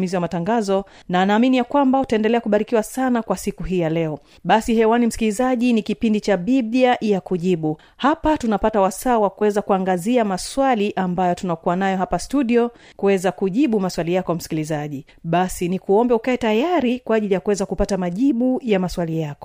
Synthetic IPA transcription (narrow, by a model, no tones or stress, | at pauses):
miziwamataŋɡazɔ | naːnaːminijakwambautaɛndɛlɛakuɓaɾikiwasanakwasikuɦiːjalɛɔ | ɓasihɛwanim̩si̥kilizaʄinikipindit͡ʃaɓibiajakuʄiɓu | hapatunapatawasaːwakuwɛzakuaŋɡaziamaswaliʔambajɔtunakuwanajɔhapastuɗiɔ | kuwɛzakuʄiɓumaswalijakɔam̩si̥kilizaʄi | ɓasinikuɔmbɛukaɛtajaɾikwaaʄilijakuwɛzakupatamaʄiɓujamaswalijakɔ̥